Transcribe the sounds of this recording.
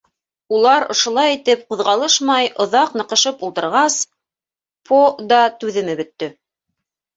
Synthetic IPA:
ulˠɑɾŏ̰ʃŏlˠɑjit̪ɘpqŏðʁɑlˠɤʃmɑjʔŏðɑqnɤ̆qɤ̆ʃɤpulˠt̪ɤ̆ɾʁɑs | pʰod̪ɑt̪ʉðɘ̆mɘbɵ̆t̪ːɵ

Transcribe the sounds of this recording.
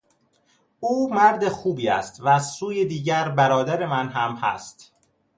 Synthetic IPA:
uːmæɾd̪e̞xuːbiːæ̰st̪væzsuːjed̪iːɟæɾbæɾɒːd̪æɾe̞mænɦæmhæ̰st̪

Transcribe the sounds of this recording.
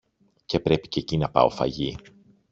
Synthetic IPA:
ce̞pɾe̞pi̥ce̞cinɐpɐ̰o̞̰fɐ̰ʝi

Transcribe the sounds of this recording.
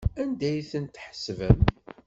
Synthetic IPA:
ænd̪æjθənt̪ħə̥svə̰m

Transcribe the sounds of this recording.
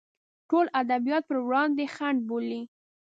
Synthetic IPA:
ʈolʔad̪abijɑt̪̚pəɾwɽɑnd̪exaɳɖ̚boli

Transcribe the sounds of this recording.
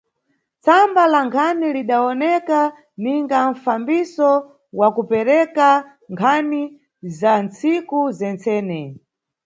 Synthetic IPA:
t͡sambalaŋkʰaniliɗaɔnɛka | niŋɡaɱ̩fambisɔ | wakupɛɾɛka | ŋkʰani | zant͡sikuzɛnt͡sɛːnɛ

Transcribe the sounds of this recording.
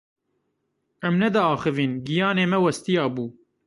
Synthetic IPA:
ɛmnɛd̪ɑɑːxɨviːnɡijɑːneːmɛwɛst̪ijɑːbuː

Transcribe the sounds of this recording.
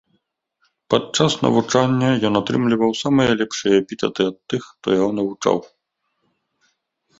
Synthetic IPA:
pat͡ʂasnɐ̰vut͡ʂanʲːɐjɔnat̪ɾɨmlʲivɐwsamɨjɐlʲɛpʂɨjɐpʲit̪ʲɛd̪ɨɐt̪ːɨxt̪ɔ̰jaɦɔnɐvut͡ʂa̰w

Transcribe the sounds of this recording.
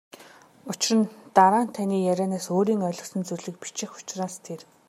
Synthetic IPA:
ʊt͡ɕɪ̆rə̆nt̪aɾaːn̥t̪ʰaniːjæɾʲæːnaːsoːɾiːŋœɮɞ̆ksə̆nt͡surʲɮɘ̆k̚pi̥t͡ɕɪ̆xʊ̥t͡ɕraːst̪ʰer

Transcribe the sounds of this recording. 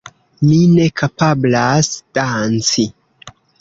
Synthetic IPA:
mine̞kʰapablasd̥ant͡si

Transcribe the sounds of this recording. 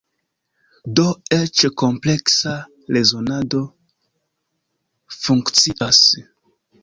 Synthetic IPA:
do̞et͡ʃko̞mple̞ksa | le̞zonado̞ | fuŋkt͡siʔas

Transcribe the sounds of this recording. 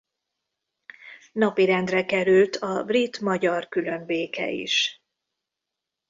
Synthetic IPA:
nɒpiɾɛnd̪rɛkɛɾylt̪ʰɒbrit̪mɒɟɒrkylø̞ɱbeːkɛ̰ḭʃ

